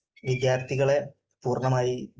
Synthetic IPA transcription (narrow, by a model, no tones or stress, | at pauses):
ʋid̪jaːrt̪ʰiɣɐɭe̞ | puːrɳɐmaːji